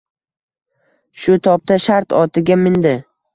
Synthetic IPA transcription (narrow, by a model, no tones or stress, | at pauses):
ʃʊt̪ʰɒp̚t̪ʰaʃaɾt̪ʰɒt̪ʰɪɡʲamɪnd̪ɪ